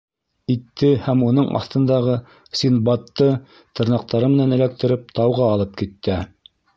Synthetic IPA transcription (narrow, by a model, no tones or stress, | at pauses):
it̪ːɘhæmunɤɴʔɑ̰θt̪ɤ̆nd̪ɑʁɤ | sʲinbɑt̪ːɤ | t̪ɤ̆ɾnɑq̚t̪ɑɾɤmɘ̆nænɘ̆læk̚t̪ɘ̆ɾɘp̚t̪ɑwʁɑːlˠɤp̚kit̪ːæ